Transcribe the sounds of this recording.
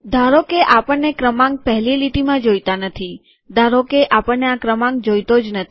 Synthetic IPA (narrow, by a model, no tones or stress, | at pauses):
d̪ʱaɾokeʔapəɳnekɾəmãŋɡ̚pɛɦliliʈimãd͡ʒojt̪anət̪ʰi | d̪ʱaɾokeʔapəɳːeakɾəmãŋɡ̚d͡ʒojt̪od͡ʒnət̪ʰ